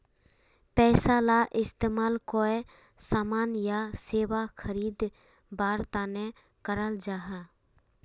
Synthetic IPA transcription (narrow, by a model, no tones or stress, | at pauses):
pɛːsalaːʔɪst̪eːmaːlkoːe | saːmaːnjaseːwakʰəɾiːd̪ | baːɾt̪aːne | kəɾəld͡ʒaːɦa